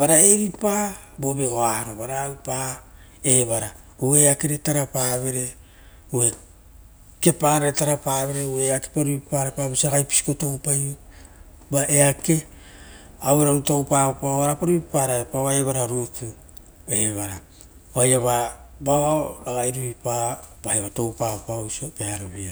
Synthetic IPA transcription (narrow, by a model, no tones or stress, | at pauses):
baɾaeɾipa | bobeɡoaɾoβaɾaupa | eβaɾa | ue̞akeɾetaɾapaβe̞ɾe̞ | ue̞ | ke̞paɾaɾetaɾapaβe̞ɾe̞ue̞ake̥paɾuipaɾapabisiaɡajpi̥si̥ko̞towpaj | baʔe̞ake̞ | aweɾaɾutowpapaoaɾapaɾuβipaɾaepaβae̞βaɾaɾutu | e̞βaɾa | oajaβabaaɡajɾuβipab̥aeβato̞wpapawsokeaɾoβia